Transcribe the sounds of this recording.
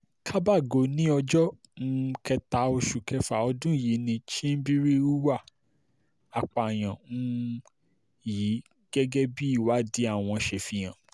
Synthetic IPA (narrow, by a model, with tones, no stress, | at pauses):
kʰa˦ba˦˨ɡo˨˦nĩ˦ɔ˧d͡ʒɔ˦ | n̩˦˧˦kɛ˧ta˨˦o˧ʃu˨kɛ˧fa˨ɔ˧dũ˦˨ji˨˦nĩ˧ʃi˦n̩˦bi˦ɾi˦u˦wa˦˨ | a˨k͡pa˨j̃ã˨n̩˦ | ji˨˦ | ɡ̥ɛ˦ɡɛ˦bi˦i˦˨wa˨˦di˦a˦˨w̃ɔ̃˧ʃe˧˨fi˧j̃ã˨